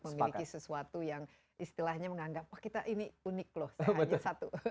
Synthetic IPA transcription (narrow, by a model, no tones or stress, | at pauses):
məmilikisəsuat̪ujaŋ | ist̪ilahɲaməŋaŋɡap̚wahkit̪aʔiniunɪk̚lɔhsaəɲasat̪u